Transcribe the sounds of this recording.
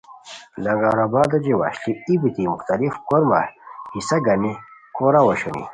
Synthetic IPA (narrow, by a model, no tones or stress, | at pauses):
lɐɡaɾɐbaːd̪ɐd͡ʑiwa̰ɕliibit̪imuxt̪ɐlifkoɾma̰hisɐɡɐnikoɾawɐɕonḭ